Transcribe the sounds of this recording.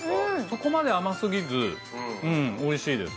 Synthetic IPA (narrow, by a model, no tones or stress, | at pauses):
so̞ko̞mad̪e̞amasɨɡʲizɨ | ɯ̟̃ɴoiɕiːd̪e̞̰s